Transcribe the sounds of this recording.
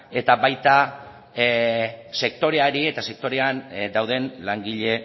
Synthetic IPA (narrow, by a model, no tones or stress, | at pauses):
e̞t̪abajt̪a | se̞kt̪o̞ɾe̞aɾie̞t̪ase̞k̚t̪o̞ɾe̞and̪awðe̞nlaŋɡiʎe̞